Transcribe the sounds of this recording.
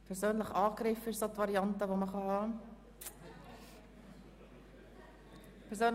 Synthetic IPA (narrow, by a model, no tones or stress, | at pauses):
pʰɛɾzøːnləχɑːkɾɪfɪsotvɑɾiɑntəʋoməχɑhɑː | pʰɛɾsøːn